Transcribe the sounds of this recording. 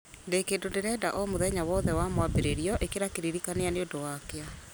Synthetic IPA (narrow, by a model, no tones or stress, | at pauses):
ndekeːndondeɾɛdaʔɔmoðɛɲawɔðɛwamwabeɾeɾiɔʔekeɾakeɾiɾikaneaneondowakea